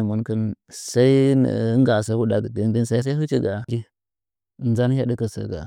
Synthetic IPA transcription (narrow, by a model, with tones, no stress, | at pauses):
mu˨˦nkə˦nsa˦ḭ˦˨˦ŋɡa˨sa˦wu˦da˨ɡə˨də˦n˦də˦nsa˦i˦s̬a˦i˦ɦu˦t͡ʃi˦ɡa˨d͡ʒi˦˨˦ | nza˦n˦ha˦də˦kə˨sə̰˨ɡa̰˨